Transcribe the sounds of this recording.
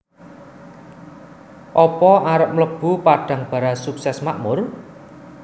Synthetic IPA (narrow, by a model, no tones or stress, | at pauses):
ʔɔpɔaɾəp̚mləb̥ṳpaɖ̥a̤ŋb̥ä̤ɾasuksɛsmaʔmʊr